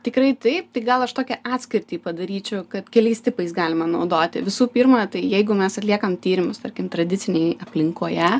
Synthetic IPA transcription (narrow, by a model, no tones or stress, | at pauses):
t̪ʲɪkɾɐɪt̪ɐɪpt̪ɐɪɡɐlˠɐʃt̪oːkʲɛʔɑːt̪sʲkʲɪɾʲt̪ʲiːpɐd̪ɐɾʲiːt͡ʃʲɛʊkɐt̪kʲɛlʲɛɪst̪ʲɪpɐɪsɡɑːlʲɪmɐnɐʊd̪oːt̪ʲɪ̰ʋʲɪsuːpʲiːɾmɐt̪ɐɪjɛɪɡʊmʲɛsɐt̪ʲlʲiɛkɐmt̪ʲiːɾʲɪmʊst̪ɐɾʲkʲɪmt̪ɾɐd̪ʲɪt̪sʲɪnʲɛɪɐpʲlʲɪŋkoːjɛ